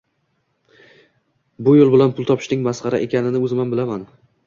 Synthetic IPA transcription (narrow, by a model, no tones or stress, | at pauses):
bʊjolˠbɪlanpʰʊlˠt̪ʰɒpʰɪ̥ʃnɪŋmasqɑɾa̰ʔe̞kʲʰanɪnɪɵzmanbɪlaman